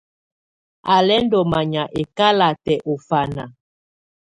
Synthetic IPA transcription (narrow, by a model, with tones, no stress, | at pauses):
a˨lɛ˦n˦dɔ˨ma˨ɲa˨ʔe˨ka˦la˨tɛ˨ʔo˨fa˨na̰˨